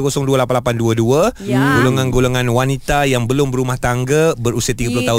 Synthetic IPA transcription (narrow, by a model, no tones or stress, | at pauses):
kosɔŋduəlapanlapanduəduəɡoloŋãnɡoloŋãnwanit̪ajaŋbəlʊmbəɾumaht̪aŋɡəbəɾusiat̪iɡəpəlʊht̪aɦʊ